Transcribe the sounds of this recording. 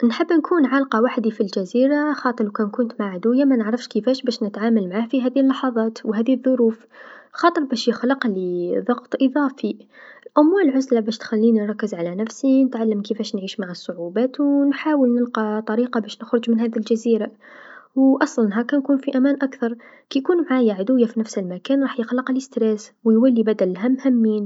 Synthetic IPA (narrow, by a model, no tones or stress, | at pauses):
nħəbːnkʰuːnʕalqɑwaħd̪ifilʒæziːɾaxɑːt̪ˤəɾwkænkʊnt̪maʕʕad̪ʊjamænəʕɾɑfʃkəfæʃbæːʃnət̪ʕaːmalmaʕaːhfiɦæːðilːɑħɑðˤɑːt̪wɦæːðiðˤːʊɾuːfxɑːt̪ˤəɾˤbæːʃjɪxlɑqliðˤɑɣt̪ˤʔɨðˤɑːfilʔamwæːlʕʊzlabæːʃt̪xælːiːninɾˤɑkːəzʕalænæfsinət̪ʕalːəmkəfæʃnʕiːʃmaʕəsˤːʊʕubæːt̪wnħaːwəlnəlqɑt̪ˤɑɾiːqɑbæʃnəxɾʊd͡ʒmənhæːd̪ilʒæziːɾa | wʔɑsˤlɑnɦækænkuːnfiʔæmæːnʔakθɑɾˤ | kijkuːnmʕajaʕad̪uwjːafinæfsəlmækæːnɾˤɑːħjəxlɑqləst̪ɾæswjwælːibæd̪ælːɦæmhɪmːiːn